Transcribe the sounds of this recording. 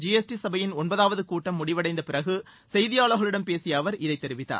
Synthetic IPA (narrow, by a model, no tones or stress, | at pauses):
d͡ʒiɛsʈisɐbɐjɪnɔnbɐðaːʋɐðɯkuːʈːɐmːʊɽɪʋɐɽɐɪnd̪ɐpɪɾɐɣɯ | sɛjðɪjaːɭɐɣɐɭɯɽɐmpeːsɪjaːʋɐɾɪðɐɪt̪ːɛɾɪʋɪt̪ːa̰ːɾ